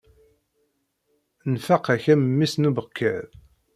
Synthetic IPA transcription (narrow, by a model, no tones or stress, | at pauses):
nfɑqæçæmmːisnubəkʰːæ̰ð